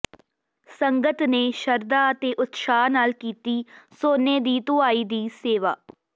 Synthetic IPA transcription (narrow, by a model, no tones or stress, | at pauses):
səŋɡət̪neːʃəɾd̪aːt̪eːʔʊt̪ʃaːnaːlkiːt̪iːsoːneːd̪iːt̪ʊaːiːd̪iːseːʋa̰ː